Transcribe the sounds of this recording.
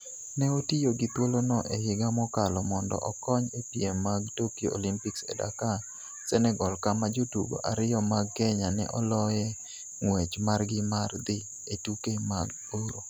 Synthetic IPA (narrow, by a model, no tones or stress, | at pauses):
nɛotijoɡɪt̪wolonɔʔehɪɡamɔkalɔmɔndɔ̰ʔɔkɔɲepiemːaɡtokjo̰o̰limpiksḛda̰ka | sɛnɛɡɔlkamad͡ʒodubo̰ʔaɾɪjɔmaɡɛɲanɛ̰ʔɔlɔjɛ | ŋwet͡ʃmarɡɪmard̪ɪ | etukemaɡ̚boɾo